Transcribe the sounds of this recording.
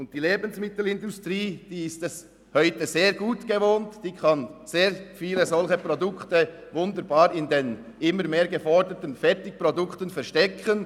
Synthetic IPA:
ʊnt̚d̥iːleːbən̩smɪtl̩ɪndʊstʁiːd̥iːɪstɛs | hœʏtəzeːɾɡuːtɡ̥əvoːntd̥iːkʰɑnz̥eːɾfiːləzɔlçəpʁodʊktəvʊndəɾbaːɾɪnden | ɪməɾmeːɡəfɔɹdətənfɛʁtɪk̚pʁodʊktənfɛʁʃtɛkʰən

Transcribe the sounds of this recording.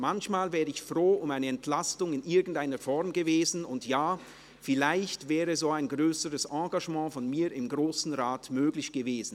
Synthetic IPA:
mançmaːlvɛːʁəɪçfʁoːʊmaɪnəɛntʰlastʊŋɪnʔɪɐɡn̩taɪnəfɔʁmɡəveːzn̩ʊntjaː | fɪlaɪçtv̥ɛːʁəzoːaɪnɡʁøːsəʁəsɑ̃ːɡaʒmɑ̃ːfɔnmiːɾɪmɡʁoːsn̩ʁaːtmøːɡlɪçɡ̥əveːzn̩

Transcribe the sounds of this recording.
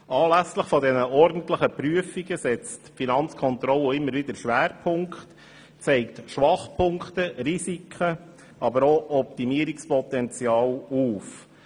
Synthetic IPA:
ɑːlæsləχfɔdɛnəʔɔɾd̥n̩tləχəpɾyəfiɡəsɛt͡stfinɑnt͡skʰɔnt̪ɾɔlːoɪmːəɾʋɪd̪əɾʃʋæːɾpʰʊŋkχt | t͡sɛɪktʃʋɑχpʰʊŋkχt̪əɾisikʰχə | ɑbəɾɔʔɔp̚t̪imiəɾikspɔt̪ɛnt͡sjɑːluːf

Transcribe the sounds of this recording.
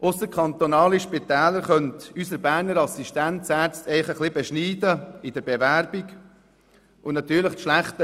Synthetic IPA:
ʔʊsəkʰχɑnt̪onɑːliʃpit̪ɛːləɾχœntysəɾbæːɾnəɾɑsiʃtæntsæːɾt͡stɛɪχəχlɪbɛʃniːdəɪd̥əɾb̥evæɾbiɡ | ʔʊnnɑt̪yːɾləχtʃlæχt̪ə

